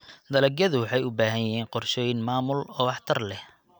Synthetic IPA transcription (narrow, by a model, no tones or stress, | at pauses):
d̪ɐlɛɡɐðʊwɑħɑjʊbaːɦɐjjɦiːnqɔrʃɛjnmaːmʊlɔːɑħt̪ʰɐrlɛh